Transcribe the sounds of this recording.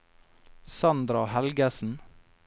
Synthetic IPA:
sɑnd̪ɾɑhælɡəsn̩

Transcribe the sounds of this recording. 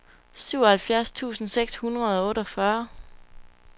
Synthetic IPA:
syʊ̰ɒhælfjæɐst͡sʰṵːsn̩seɡ̥shunʁɐð̞̩ˠɒ̽ɔ̽ːɾɒ̽fɶɐ

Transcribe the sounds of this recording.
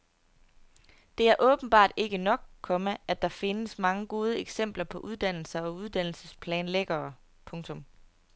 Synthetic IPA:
d̥e̝æɐʔɔ̽ːb̥n̩b̥ɑ̰̈ːd̥e̝ɡ̥ənɒ̽ɡ̥̚kʰːɒ̽məʔæd̥ɑ̈fe̝nəsmɑ̈ŋəɡ̥o̝ːð̞ˠəeɡ̥sem̰b̥lɐpʰɒ̽ʔuð̞ˠd̥æn̰l̩sɐɒ̽uð̞ˠd̥æn̰l̩səspʰlɛːnleɡ̥ɐː | pʰɔ̽ŋt͡sʰɔ̽m

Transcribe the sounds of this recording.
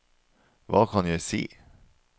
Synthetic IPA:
vɑ̰ːkʰɑnjæɪsḭː

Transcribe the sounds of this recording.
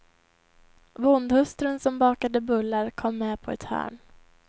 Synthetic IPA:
vʊnd̪hɵst̪ɾənsɔmbɑːkad̪əbɵlːaɾkʰɔmːɛːpʰɔɛ̰t̪hœ̰ːɳ

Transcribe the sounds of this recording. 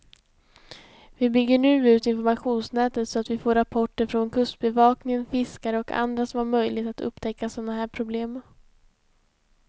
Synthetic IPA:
vɪbʏɡːəɳʉ̟ːʉ̟ːt̪ɪnfɔɾmaɧuːnsnɛːt̪ət̪sɔat̪vɪfoːɾapʰɔʈːəɾfɾɔnkʰɵst̪̚bɛvɑːknɪŋənfɪskaɾəɔkʰa̰nd̪ɾasɔmaɾmœjlɪɡt̪at̪ɵ̰pːt̪ʰɛkːasɔnaɦæːɾpʰɾʊbleːm

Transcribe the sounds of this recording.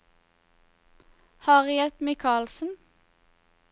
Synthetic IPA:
hɑːʁɪɛt̪mɪkʰɑːlsn̩

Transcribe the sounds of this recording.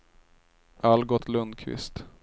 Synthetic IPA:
ʔalɡɔt̪ʰlɵnd̪kʰvɪ̰st̪

